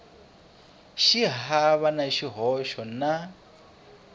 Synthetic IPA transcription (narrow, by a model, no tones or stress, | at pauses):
ʃiɦaβanaʃiɦɔʃɔna